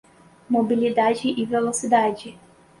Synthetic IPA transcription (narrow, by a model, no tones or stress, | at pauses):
mobilid̪ad͡ʒɪʔivelosid̪ad͡ʒɪ